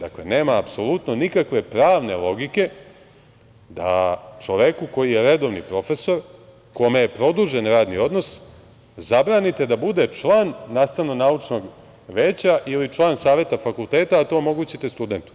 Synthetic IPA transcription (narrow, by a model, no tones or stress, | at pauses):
d̪akle̞ne̞ːmaːpso̞lut̪no̞nikakʋe̞pɾaːʋne̞lˠo̞ɡike̞ | d̪a̰t͡ʃoʋekuko̞jijeɾed̪o̞ʋnḭpɾo̞fe̞so̞ɾ | ko̞mejepɾo̞d̪uʒe̞nɾaːd̪nio̞d̪no̞s | zabɾaːnit̪e̞d̪abud̪e̞t͡ʂlˠaːnːaːst̪ananaut͡ʂno̞ɡ | ʋeːt͡ɕaʔilit͡ʃlˠaːnsaːʋje̞t̪afakulˠt̪eːt̪aːt̪o̞ːmo̞ɡuːt͡ɕit̪e̞st̪ud̪e̞nt̪u̥